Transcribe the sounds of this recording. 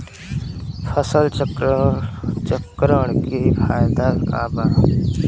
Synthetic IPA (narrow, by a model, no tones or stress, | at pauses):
pʰəsəl | t͡ʃəkɾəɽ̃kifʰaːjd̪aka̰ːba